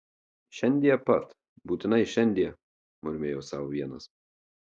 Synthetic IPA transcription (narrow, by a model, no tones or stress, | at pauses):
ʃʲɛnʲd̪ʲijɛpɐt̪ | buːt̪ʲɪnɐɪʃʲɛnʲd̪ʲiɛ | mʊɾʲmʲeːjoːsɑːʋoʋʲiɛnɐs